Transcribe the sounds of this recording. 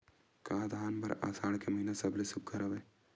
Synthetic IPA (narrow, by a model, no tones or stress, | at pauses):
kãːd̪ʱaːnbɐɾa̰ːsaːɽkemɐɦinasɐblesʊkkɐɾaʋeː